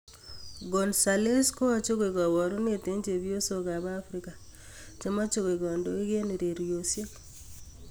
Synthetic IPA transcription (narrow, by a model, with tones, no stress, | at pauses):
ɡɔ˨nsa˨le˦sko˦a˦t͡ʃo˦ɡe˨ɡa˨wɔ˨ɾo˦ne˨te˦nt͡ʃe˨bjo˦so˨ɡa˨ba˦fɾi˦ka˨ | t͡ʃe˦ma˦t͡ʃo˦ɡe˨ɡɔ˨ndo˦e˦ɡe˦ni˨ɾe˨ɾjo˨sje˦